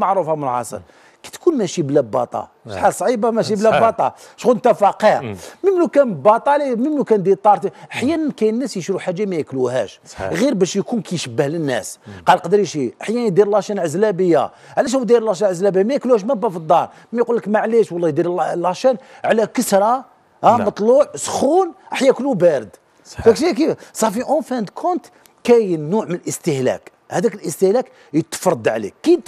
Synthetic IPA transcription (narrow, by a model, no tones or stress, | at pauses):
mɑʕɾufɑmnəlʕɑ̰sˤə̰ɾ | kæ̥t̪kunmæʃiblæbːɑ̰t̪ˤɑ̰ | ʃħalsˤʕibamæʃ̬iblæbːɑt̪ˤɑʃɣunt̪æfɑqiɾməmlukænbɑt̪ˤɑliməmlukænd̪iɾt̪ˤːɑɾˤt̪iʔəħjænənkæjənːæsjəʃɾuħaʒːamæjəkluhæ̰ʃɣiɾbæʃjkunkæjʃəbːəhlənːæ̰sqɑlqɑd̪ɾiʃiʔəħjænd̪iɾlɑʃænʕəzlæbəjːa̰ | ʕlæʃ̬æwd̪iɾlɑʃænʕəzlæbəjmæjəkluhæʃ̬mæbæfəd̪ˤːɑɾˤ | mæjqulːəkmæʕliʃwɑlˤːɑjd̪iɾlːɑʃænʕlækəsɾˤɑ | hæmɑt̪ˤluʕsxunʔəħjækəlːubæɾəd̪ | k̪ækʃik̬ifsˤɑħfiʔofænd̪kʰʊnt̪ | kæjnuʕmənəlʔəst̪əhlæ̰k | hæd̪ækəlʔəst̪əhlæk | jət̪ːə̥fɾˤɑd̪ˤʕlḭkːid̪